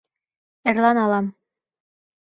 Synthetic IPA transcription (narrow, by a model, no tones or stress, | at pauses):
ɘ̆ɾlˠɑnɑlˠɑm